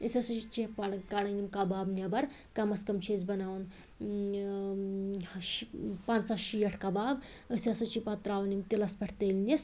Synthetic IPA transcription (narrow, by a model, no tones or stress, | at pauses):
əsʲɐsut͡ʃit͡ʃẽpɐɽkaɽɐnimkabaːbnʲɐbɐɾ | kɐmɐskɐmt͡ʃʰezbɐnaːwn | ʃpãːnt͡ssaʃijɐʈʰkabaːb | əsʲɐsut͡ʃipɐt̪ɾaːwɐnimt̪ilɐspɐʈʰt̪əlʲnis